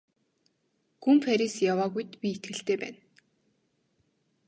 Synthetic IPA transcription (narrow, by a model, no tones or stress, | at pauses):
xumfaɾʲisjawaːɣujt̪pʲiet̪̚ɡɘ̆ɬt̪eːpæ̰ːn